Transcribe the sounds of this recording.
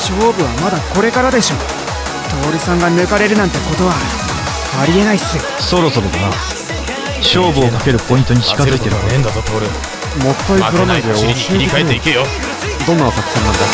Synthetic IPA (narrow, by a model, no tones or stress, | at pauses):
ɕo̞ːbɯ̟βamad̪ako̞ɾe̞kaɾad̪e̞ɕo̞ː | t̪o̞ːɾʲisãŋɡanɯ̟kaɾe̞ɾɯ̟nãnt̪e̞ko̞t̪o̞βa | aɾʲie̞naisɨ | so̞ɾo̞so̞ɾod̪aɾa | ɕo̞ːbɯ̟okake̞ɾɯ̟po̞ĩnt̪o̞ɲ̟iɕikazɨit̪e̞ɾɯ̟ɾ | mo̞kːaikɯɾanaid̪eoikaeːeikejo | d̪õ̞nːaβak̪akɯ̟̥sẽnːãnd̪a